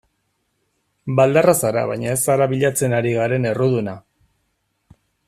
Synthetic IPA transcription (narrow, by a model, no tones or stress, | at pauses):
bald̪arasaɾa̰βa̰jɲae̞saɾaβiʎat͡se̞naɾiɣaɾe̞ne̞ruðuna